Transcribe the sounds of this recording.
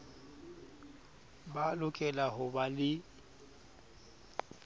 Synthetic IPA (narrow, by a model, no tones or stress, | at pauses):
balʊkʼɛlaɦʊbalɪ